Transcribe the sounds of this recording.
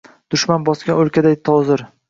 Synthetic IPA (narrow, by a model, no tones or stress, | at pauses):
d̪̥ʊʃmanbɒskʲanolˠkʲʰad̪ajt̪ʰɒzɪɾ